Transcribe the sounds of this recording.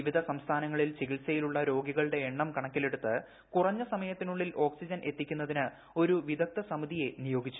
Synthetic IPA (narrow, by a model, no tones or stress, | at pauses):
iʋid̪ʱɐsɐmst̪ʰaːnɐŋːɐɭilt͡ɕiɣilsɐjiluɭːɐɾo̞ːɡiɣɐɭɨɽe̞ːɳːɐmkɐɳɐkʲːile̞ɽut̪ːɨ | kurɐɲːɨsɐmɐjɐt̪ːinuɭːilo̞ːksid͡ʑɐnʔe̞t̪ːikʲːunːɐðinɨ | o̞ɾuʋid̪ʱɐk̚t̪ɐsɐmuðije̞nijo̞ːɡit͡ɕːu